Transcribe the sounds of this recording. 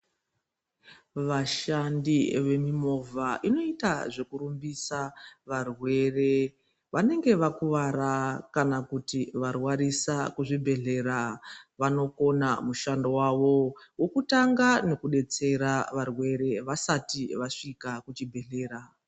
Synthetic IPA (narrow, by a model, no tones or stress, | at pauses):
ʋaʃandiʋe̞mimo̞vʱaʔino̞itaʐe̞kuɾumbisaʋarwe̞re̞ | ʋane̞ŋɡe̞ʋakuʋaɾakanakutiʋarwaɾisakuʐibʱe̞ɮe̞ɾaʋano̞ko̞namuʃandowaʋo̞wokutaŋɡane̞kuɗe̞t͡se̞ɾaʋarwe̞ɾe̞ʋasatiʋaʂikakut͡ʃibʱe̞ɮe̞ːɾa